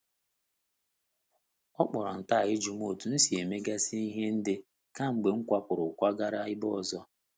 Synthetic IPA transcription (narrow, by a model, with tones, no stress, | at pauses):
ɔ˦k͡pɔ˨ɾɔ˨n̩˨ta˦˨ɣɪ˦d͡ʒu˨m˦o˨tu˨n̩˦si˨e˨me˦ɡa˦si˦i˦ɦe˦n̩˦dɪ˦ | ka˦ŋ͡m̩˨ɡ͡be˨ŋ̩˦kʷa˦pʊ˨ɾʊ˨kʷa˦ɡa˦ɾa˦ɪ˦bɔ˦˨zɔ˦